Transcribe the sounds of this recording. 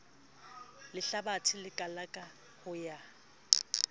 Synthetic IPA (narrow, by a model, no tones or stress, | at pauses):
lɪɬabatʰɪlɪkʼalakʼa | hʊja